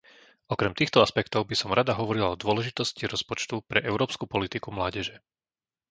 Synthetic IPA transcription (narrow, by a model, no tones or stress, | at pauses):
ɔkɾɛmt̪iːxt̪ɔaspɛkt̪ɔʊbisɔmɾad̪aɦɔʋɔɾilaɔd̪ʊɔlɛʒit̪ɔsciɾɔspɔt͡ʃt̪upɾɛʔɛʊɾɔːpskupɔlit̪ikumlaːɟɛʒɛ